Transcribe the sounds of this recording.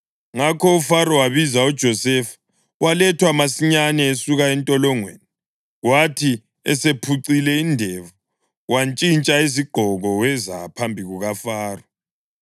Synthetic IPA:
ŋakʰɔufaɾɔwaβizaud̥ʒ̥ʱɔsɛfḁ | walɛtʰwamasiɲanɛesuɣaɛntʼɔlɔŋwḛni | ɣwatʰi | ɛ̰sepʰuǀilɛindʱɛvu | want͡ʃʼint͡ʃʼaiziɡ͡ǃ̥ʱɔɣɔwɛza̰pʰambʱiɣuɣafaːrɔ

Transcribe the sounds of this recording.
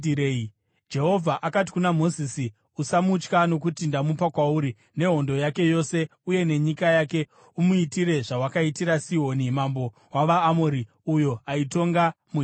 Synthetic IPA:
e | d͡ʒe̞ɦo̞vʱaʔakat̬i̥kunamo̞zisi | usamut͡ʃkano̞k̬utindamupakwauɾi | ne̞ɦo̞ndo̞jake̞jo̞se̞uje̞ne̞ɲikajake̞ | umuitiɾe̞ʐawakaitiɾasiɦo̞nimambo̞ | waʋaːmoɾi | ujo̞aito̞ŋɡamu

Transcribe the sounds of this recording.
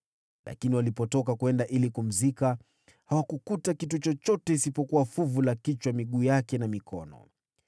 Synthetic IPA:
lʔa̰kiniwalipɔtɔkakwɛndaʔilikum̩zika | hawakukutakitut͡ʃɔt͡ʃɔtɛisipɔkuwafuvulakit͡ʃwamiɠuːjakɛnamikʰɔnɔ̰

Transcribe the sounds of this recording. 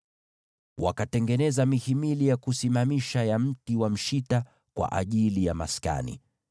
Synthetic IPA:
wa̰katɛŋɡɛnɛzamihimilijakusimamiʃajam̩tiwam̩ʃita | kwa̰ʔaʄilijama̰ska̰nḭ

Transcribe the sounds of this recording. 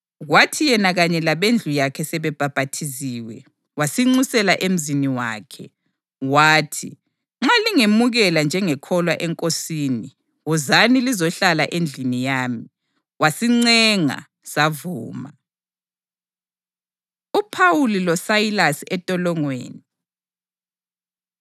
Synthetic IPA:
ɣwatʰijɛnaɣaɲɛlaβend͡ɮʱujakʰɛsɛβɛb̥ʱab̥ʱatʰiziːwɛ̰ | wasiŋ͡ǀusɛlaʔem̩ziniwa̰ːkʰɛ̰ | waːtʰi | ŋ͡ǁaliŋemuɣɛland͡ʒʱɛŋɛkʰɔlwaʔɛŋkʼosiːni | wuzanilizɔɬala̰ʔend͡ɮʱinijaːmi | wasiŋ͡ǀɛŋa̰ | savuːma | upʰawulilɔsajilasiɛtʼɔlɔŋwḛːni

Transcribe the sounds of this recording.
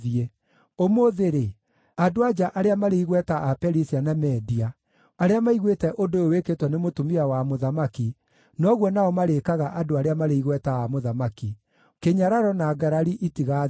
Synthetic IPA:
iɛ | omoðeɾe | adoad͡ʒaʔaɾeamaɾeiɣwɛtaʔapɛɾisianamɛdia | aɾeamaiɣwetɛʔodooweketwɔnemotumiawamoðamaki | nɔɣwɔnaɔmaɾekaɣaʔadoaɾeamaɾeiɣwɛtaamoðamaki | keɲaɾaɾɔnaːɡaɾaɾiʔitiɣa

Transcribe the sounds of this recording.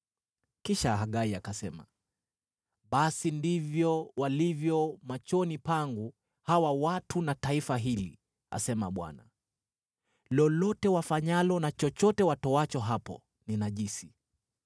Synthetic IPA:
kiʃaɦaɠaiakasɛma̰ | ɓasindivjɔwalivjɔmat͡ʃɔnipaŋɡu | hawawatunataifaɦilḭ | a̰sɛma̰ɓwa̰na̰ | lɔlɔtɛwafaɲalɔnat͡ʃɔt͡ʃɔtɛwatɔat͡ʃɔɦapɔ̰ | ninaʄisi

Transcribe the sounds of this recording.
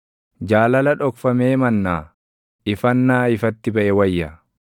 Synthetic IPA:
d͡ʒaːlɐlɐᶑɔkfɐmeːmɐnːaː | ɪfɐnːaːɪfɐt̪ːɪbɐʔɛwɐjːɐ

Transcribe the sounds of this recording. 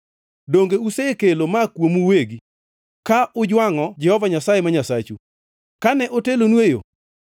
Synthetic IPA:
doŋɡeusekelomakwomuweɡi | kaʔʊd͡ʒwaŋɔd͡ʒɛhɔvaɲasajemaɲasat͡ʃṵ | kanɛʔotelonwejo̰

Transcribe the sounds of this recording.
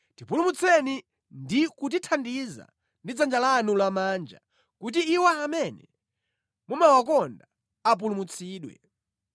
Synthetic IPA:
tipulumut͡sʰɛni | ndikut̬itʰandiza̰ | ndid͡zand͡ʒalanulamaːnd͡ʒa̰ | kut̬iːwaamɛnɛ̰ | mumawakɔnda | ap̬ulumut͡sʰiːɗwɛ̰

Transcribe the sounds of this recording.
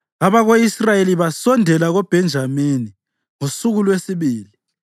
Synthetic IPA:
aβaɣoisrajeliβasɔndʱɛlaɣɔb̥ʱɛnd͡ʒʱamini | ŋosuɣulwesiβiːli

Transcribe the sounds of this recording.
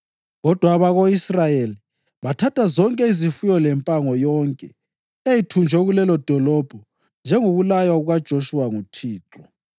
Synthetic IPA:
ɣɔd̥ʱwaːβaɣoisrajeli | βatʰatʰazɔŋkʼɛizifujɔlɛmpʼaŋɔjɔŋkʼɛ | ejitʰund͡ʒʱɛɣulɛlɔd̥ʱɔlɔb̥ʱɔ | nd͡ʒʱɛŋoɣulajwauɣad̥ʒ̥ʱoʃuwaŋutʰiːǁɔ

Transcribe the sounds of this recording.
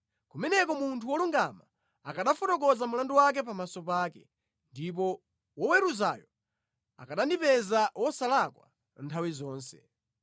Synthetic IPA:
kumɛnɛkɔmuntʰuwɔluŋɡama | akaɗafɔtɔk̬ɔzamulanduwak̬ɛp̬amasɔpaːkɛ | ndip̬ɔ | wɔwɛɾuzaːjɔ | a̰kaɗandipɛzawɔsalakwa̰ | ntʰawizɔːnsɛ̰

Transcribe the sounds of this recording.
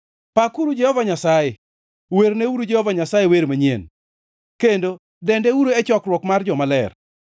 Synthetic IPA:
pakuɾud͡ʒɛhɔvaɲasaje | weɾneuɾud͡ʒɛhɔvaɲasajeweɾmaɲjen | kendo | dɛndeuɾoɛt͡ʃɔkrwɔkmard͡ʒɔmalɛr

